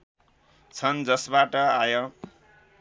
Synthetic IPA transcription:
t͡sʰʌnd͡zʌsbaʈʌajo

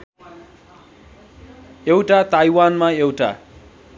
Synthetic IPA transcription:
ewʈat̪ajwanmaewʈa̰

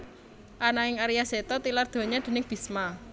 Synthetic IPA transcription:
ʔanaɪŋaɾijasɛt̪ɔt̪ilard̪̥o̤ɲad̪̥e̤nɪŋb̥i̤sma

